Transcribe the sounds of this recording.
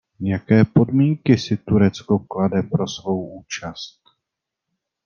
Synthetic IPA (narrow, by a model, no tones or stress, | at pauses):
jakɛːpo̞dmiːŋkɪsɪt̪uɾɛt͡skokladɛpɾo̞svo̞wuːt͡ʃast̪̚